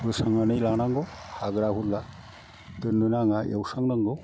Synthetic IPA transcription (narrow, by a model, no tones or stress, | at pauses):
ɯsaŋanɯjlaŋnaŋɡɯwhaɡɾahulla | tɯnːɯnaŋaʔewsaŋnaŋɡɯw